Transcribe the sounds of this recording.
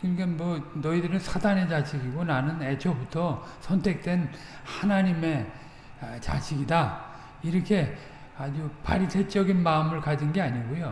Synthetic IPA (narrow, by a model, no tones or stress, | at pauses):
kɯɲikanmwʌnʌidɯɾɯnsʰadane̞t͡ɕaɕʰiɡiɡonanɯne̞t͡ɕʰʌbutʰʌsʰʌntʰe̞k̚t͈we̞n | hanaɲime̞ | t͡ɕa̰ɕʰiɡida | iɾʌkʰe̞ | ad͡ʑupa̰ɾitʰet͡ɕ͈ʌɡinmaɯmɯɭkad͡ʑinɡe̞aɲiɡojo